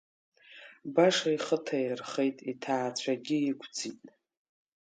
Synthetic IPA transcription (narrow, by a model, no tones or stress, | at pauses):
baʂaiχətʰajirχejtʼitʰaːt͡ɕʷʰaɡʲɪikʷʰd͡zitʼ